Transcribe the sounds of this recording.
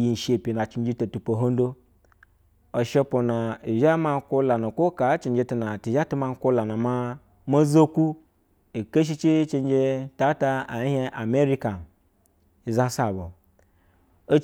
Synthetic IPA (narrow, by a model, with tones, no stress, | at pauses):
ji˧n̩˨ʃe˧˨pʲi˨na˨t͡ʃi˧n˦d͡ʒi˧to˨tu˨po˨ɦo˦n˦do˦ | o˨ʃe˧po˨na˨i˨ʒa˦ma˧˦kʷo˦la˨nu˨kʷo˦ka˨˦t͡ʃi˨n˦d͡ʒe˧tu˧na˨ti˨ʒa˦tu˦ma˧n˦kʷo˦la˨na˨ma˧ | mo˦zo˦ku˦ | i˨ke˦ʃ̬i˦t͡ʃi˦t͡ʃi˧n˦d͡ʒe˧ta˨˦ta˧a˨˦he˧ʔa˨me˦ɾi˦ka˨n | i˨za˦sa˨bo˨ | o˦